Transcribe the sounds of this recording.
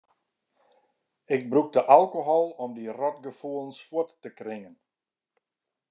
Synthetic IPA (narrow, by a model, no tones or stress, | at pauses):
ɪɡ̚bruk̚dəʔalˠkoɦɔlˠɔmdirɔtɡəfulˠnswʊətːəkrɪŋən